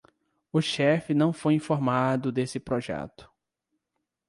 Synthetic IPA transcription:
ʊʃɛfɪnɐ̃w̃fojĩfoɾmad̪ʊd̪esɪpɾoʒɛ̰t̪ʊ̥

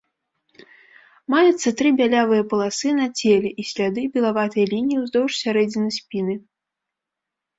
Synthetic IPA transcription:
majut̪sːɐt̪ɾɨbʲalʲavɨjɐpɐlˠasɨnɐt͡sʲelʲɛʔisʲlʲad̪ɨbʲɛlˠavat̪ɨjɐlʲinʲijiwzd̪ɔwʂsʲaɾɛd͡zʲinɨsʲpʲinɨ

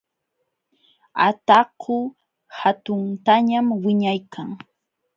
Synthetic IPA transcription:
at̪akʰʊ | hat̪ʊnt̪aɲamwɪɲajkʰaŋ

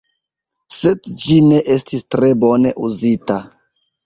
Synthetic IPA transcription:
sedd͡ʒine̞ʔestistɾebone̞̰ʔuzita

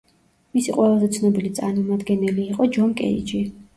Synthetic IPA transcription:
misiqʼwɛlˠazɛt̪sʰnɔbilit̪sʼaɾmɔmad̪ɡɛnɛliːqʼɔd͡ʒɔnkʼɛ̰ḭd͡ʒi

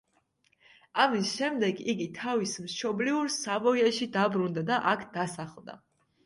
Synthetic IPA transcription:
amisʃɛmd̪ɛɡiɡit̪ʰavismʃɔbliuɾsavɔjaʃid̪abɾund̪ad̪aʔakʰd̪̥asaχlˠd̪a̰

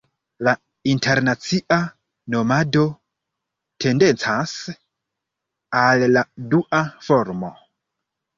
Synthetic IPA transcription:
la | intʰe̞ɾnat͡siʔa | no̞mado̞ | tʰe̞nde̞nt͡sas | alːaduʔafo̞ɾmo̞

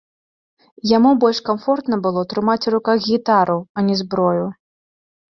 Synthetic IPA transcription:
jamubɔlʲʂkamfɔrt̪nɐbɨlˠɔt̪ɾɨmat͡sʲɾukaɣɣʲit̪aɾuɐnʲɛzbɾɔju

